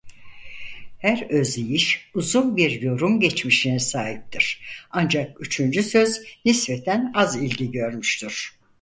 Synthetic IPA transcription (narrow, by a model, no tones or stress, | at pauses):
hæɾø̞zlijiʃuzunbiɾjo̞ɾumɟɛt͡ʃmiʃinɛsaːɦip̚t̪ʰiɾ̥and͡ʒakyt͡ʃʰynd͡ʒysø̞znispɛt̪ʰænazilʲɟiɟø̞ɾmyʃt̪ʰyɾ̥